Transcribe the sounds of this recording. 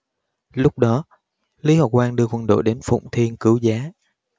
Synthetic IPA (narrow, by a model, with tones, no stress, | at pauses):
lʊ˦˥k͡p̚ɗɔ˨˦ | li˨˦ha˨˩kwaː˧ŋɗɨ˧əkwə˨˩nɗo̰˧˨jɗe˨˦nfʊ̰˧˨wŋ͡mt̪ʰi˧ənkɨ˨˦wzaː˨˦